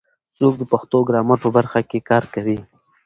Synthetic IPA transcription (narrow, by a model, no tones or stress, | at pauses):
t͡sok̚d̪əpaxt̪oɡɾɑməɾpəbaɾxakekɑɾkawi